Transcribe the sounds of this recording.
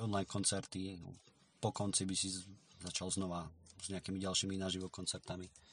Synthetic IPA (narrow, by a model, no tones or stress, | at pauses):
ɔnlajnkʰɔnt͡sɛɾt̪i | pɔkɔnt͡sibisizat͡ʃalznɔʋaz̥ɲɛakimiɟalʃiminaːʒiʋɔkɔnt͡sɛɾt̪ami